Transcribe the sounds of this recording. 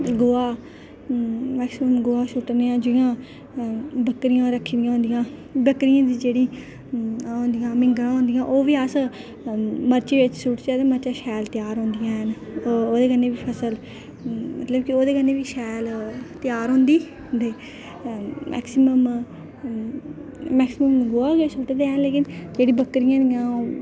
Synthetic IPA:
ɡoːaː | mɛːksɪməmɡoːaːʃʊʈneːãːd͡ʒʊɪjãː | bəkːɾɪjãːɾəkʰːd̪ɪjãːɦõːnd̪ijãː | bəkɾijãːd̪iːd͡ʒeːɽiː | õːnd̪ijãːmɪ̃ŋɡɾãːɦõːnd̪ijãːʔoːʋiːəs | məɾt͡ʃeːʋɪt͡ʃsʊʈt͡ʃɛːd̪eməɾt͡ʃaːʃɛːlt̪ɪjaːɾɦõːnd̪ijãːɦənoːd̪eːkəneːʋiːpʰəsəl | mət̪ləbkɪoːd̪eːkənːeːʋiːʃɛːlt̪ɪjaːɾɦõːnd̪iː | d̪eː | mʔɛ̰ːksɪməm | mɛːksɪməmɡoːaːɡeːsʰoʈeːd̪eːɛnleːkɪnd͡ʒeːɽiːbəkːɾɪjãːd̪ijãːoː

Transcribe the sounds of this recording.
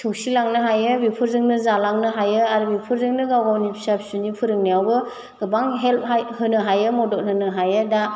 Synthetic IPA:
tʰɯwsilaŋnɯɦajɯbipʰɯɾzɯŋnɯzalaŋnɯɦajɯaɾubipʰɯɾzɯŋnɯɡawɡawnibʰisapʰsunipʰɯɾɯŋnijawbɯ | ɡɯbaŋɦelp̚ɦajhɯnɯɦajɯmɔdɔk̚nɯnɯɦajɯda

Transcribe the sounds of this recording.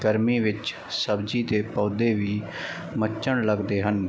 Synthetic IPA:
ɡəɾmiːʋɪt͡ʃ | səbd͡ʒiːd̪eːpɔːd̪eːʋiː | mət͡ʃːəɳləɡd̪eːɦən

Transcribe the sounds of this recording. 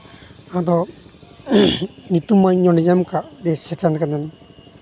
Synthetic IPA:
ad̪ɔ | nit̪umajɲɔɽijamkad̪esɛkɛnkanɛn

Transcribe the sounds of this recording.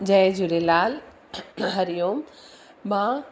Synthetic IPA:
d͡ʑɐed͡ʑuɾelaːl | ɦɐɾijoːm | mãː

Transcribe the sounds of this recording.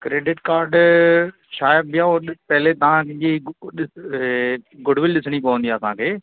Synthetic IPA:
kɾeːɖɪʈkaːɾɖ | ʃaːjəb̚bɪjãpɛɦlet̪ɐʋ̤ãkɪ̃ʄiɡ | ɡʊɖʋɪlɗɪsɽ̃ipɐʋə̃nd̪ijaːəsãːkʰeː

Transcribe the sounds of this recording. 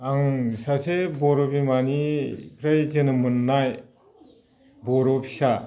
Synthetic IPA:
aŋsasebɔɾɔbimanipʰɾajzɯnɯmɯnːaj | bɔɾɔpʰi̥sa

